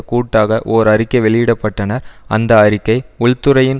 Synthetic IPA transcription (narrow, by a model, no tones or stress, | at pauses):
kuːʈːaːɣɐʔoːɾɐɾɪkːɐɪʋɛɭɪjɪɽɐpːɐʈːɐnɐɾɐ̰nd̪ɐːrɪkːɐɪʊɭt̪ːɯɾɐjɪn